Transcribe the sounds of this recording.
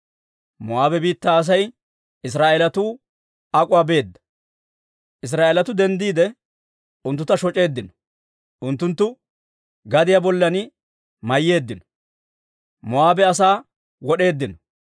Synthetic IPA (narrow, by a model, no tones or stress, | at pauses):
mɔaːbɛbiːt̪ːaːs̬ɐj | ɪs̬ɾaːʔɛlɐt̪uː | ɐkʼʊwaːbe̞ːd̪ːɐ̥ | ʔɪs̬ɾaːʔelɐt̪ʊd̪ɛnd̪iːd̪ɛ | ʊnt̪ːʊt̪ɐʃɔt͡ʃʼe̞ːd̪ːɪnɔ̥ | ʔʊnt̪ːʊnt̪ːʊ | ɡɐd̪ɪjabɔlːɐnɪ | mɐjːe̞ːd̪ːɪnɔ̥ | mɔaːbɛɐs̬aː | wɔɗe̞ːd̪ːɪnɔ